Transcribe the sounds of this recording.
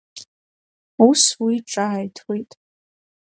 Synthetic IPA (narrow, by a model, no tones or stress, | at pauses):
uswiʈ͡ʂʼaajtʰwejtʼ